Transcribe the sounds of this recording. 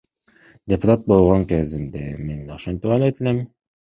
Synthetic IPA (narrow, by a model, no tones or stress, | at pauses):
d̪ʲepʊt̪at̪̚bo̞lˠʁoŋkezimd̪ḛmend̪oʃont̪uwɑlˠet̪ilemɪ